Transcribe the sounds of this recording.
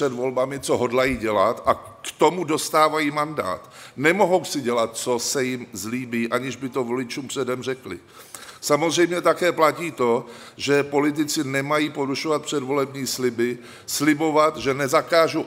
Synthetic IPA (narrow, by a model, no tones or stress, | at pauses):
ɛdvo̞lbamɪt͡so̞ɦo̞dlajiːɟɛlat̪ʔakt̪o̞mudo̞st̪aːvajiːmanda̰ːt̪nɛmo̞ɦo̞wsɪɟɛlat̪̚t͡so̞sɛjɪmzliːbiːʔaɲɪʒbɪt̪o̞vo̞lɪt͡ʃuːmpr̥ɛdɛmr̝ɛklɪ̰ | samozr̝ɛjmɲɛt̪akɛːplaciːt̪o̞ʒɛpo̞lɪt̪̬ɪt͡sɪnɛmajiːpo̞ɾuʃovat̪̚pr̥ɛdvo̞lɛbɲiːslɪbɪ | slɪbo̞vat̪ʒɛnɛzakaːʒu